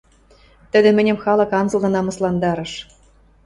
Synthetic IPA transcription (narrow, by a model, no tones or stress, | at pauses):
t̪ɘ̆d̪ĕmɘ̆nʲɘ̆mxɑlˠɤ̆kɑnzɤ̆lnɤ̆nɑmɤ̆slˠɑnd̪ɑɾɤ̆ʃ